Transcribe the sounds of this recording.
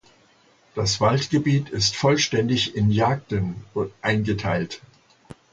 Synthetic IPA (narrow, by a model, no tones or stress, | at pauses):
d̥asv̥altɡ̥əbiːtʰɪstfɔlʃtɛndɪçɪnjaːk̚tənʊntʔaɪnɡətʰa̰ɪlt